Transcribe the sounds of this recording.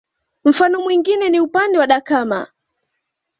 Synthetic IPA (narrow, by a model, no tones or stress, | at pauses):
m̩fanɔmwiŋɡinɛniupandɛwaɗakaːma